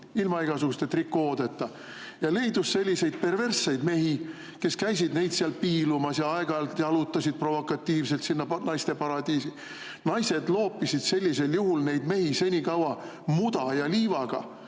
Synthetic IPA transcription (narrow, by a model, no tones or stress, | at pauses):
ilmɑiɡ̥ɑsuɡust̪ːet̪rikːˑoːd̪̥e̞t̪ːˑɑ | jɑlejd̪usːe̞lʲːise̞jd̪̚pe̞rve̞rsːejd̪me̞ɦi | ke̞skæjs̬id̪ne̞jd̪̥siɑlpiːlumɑsjɑɑe̞ɡ̥ɑlt̪jɑɑlut̪ːˑɑsid̪̥̚pro̞vo̞kːˑɑt̪ːiːvse̞lt̪sinːɑnɑjst̪e̞pɑɾɑd̪̥iːsi | nɑjse̞d̪lo̞ːpːˑisid̪̥se̞lʲːise̞ljuɦulne̞jd̪me̞hise̞nʲikɑwɑ | mud̪̥ɑjɑliːvɑɡ̥ɑ̰